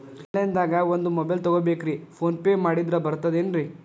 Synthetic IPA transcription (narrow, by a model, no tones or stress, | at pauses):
hɛɭend̪aːɡɐond̪umɔbɐjlt̪ɔɡoːbeːkɾipʰoːnpeːmaːɽid̪ɾɐbɐɾt̪ːɐd̪eːnɾi